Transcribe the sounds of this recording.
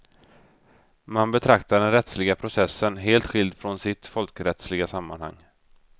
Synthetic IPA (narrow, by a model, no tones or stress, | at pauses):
manbɛt̪ʰɾakt̪aɖɛnɾɛt̪slɪɡapʰɾʊsɛsːənɦeːlt̪ɧɪld̪fɾɔnsɪt̪fɔlkɾɛt̪slɪɡasamːanha̰ŋː